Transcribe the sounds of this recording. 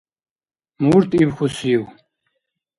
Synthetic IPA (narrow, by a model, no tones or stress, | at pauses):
muɾt̪ibxusiw